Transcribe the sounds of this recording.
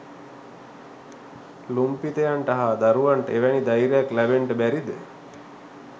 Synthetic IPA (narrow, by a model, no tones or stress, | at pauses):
lumpit̪əjaɳʈaɦad̪aɾuʋaɳʈəeʋænid̪ajɾejaklæbeɳʈəbæɾid̪ə